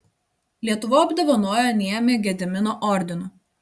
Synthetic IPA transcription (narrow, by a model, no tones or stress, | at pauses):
lʲiɛt̪ʊʋoːɐbd̪oʋɐnoɔjoːnʲiɛmʲeːɡʲɛd̪ʲɪmʲɪnoːʔɔɾʲd̪ʲɪnʊ